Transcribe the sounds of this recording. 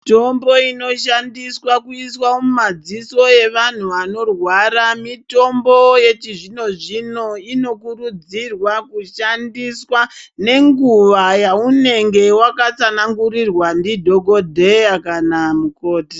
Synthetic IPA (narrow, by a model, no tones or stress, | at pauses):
tombo̞ino̞ʃandiswakuiswaomumad͡ziso̞je̞ʋan̤uʋano̞rwaɾamito̞mbo̞je̞t͡ʃiʐino̞ʐino̞ino̞kurud͡zirwakuʃandiswane̞ŋɡuʋajaune̞ŋɡe̞wakat͡sanaŋɡuɾirwandidʱo̞ɡʱo̞dʱejakanamuko̞ːti